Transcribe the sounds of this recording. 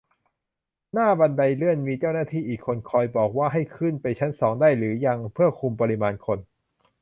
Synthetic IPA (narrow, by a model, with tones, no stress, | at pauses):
naː˥˩ba˧nda˧jlɯ˥˩ənmiː˧t͡ɕaː˥˩wnaː˥˩t̪ʰiː˥˩ʔiː˨˩kʰːo˧nkʰɔː˧jbɔː˨˩k̚waː˥˩ɦa˥˩jkʰɯ˥˩npa˧jt͡ɕʰa˦˥nsɔː˩˦ŋdaː˥˩jlɯː˩˦ja˧ŋpʰɯ˥˩ɐkʰu˧mpa˧ɾi˧maː˧nkʰo˧n